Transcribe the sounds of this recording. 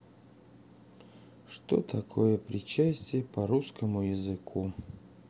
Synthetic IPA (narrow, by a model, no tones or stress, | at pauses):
ʂt̪o̰t̪ʰɐkʰojəpɾʲɪt͡ɕæsʲtʲɪjəpɐɾuskəmʊjɪzɨkʰu